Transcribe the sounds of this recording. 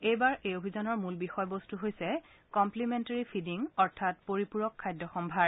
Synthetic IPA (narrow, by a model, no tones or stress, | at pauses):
ejbaɹʔejobʱizɔnɔɹmulbixɔjbostuɦojsɛ | kɔmplimentaɹipʰidiŋɔɹtʰat̚poɹipuɹɔkʰːajdːɔxɔmbʱaɹ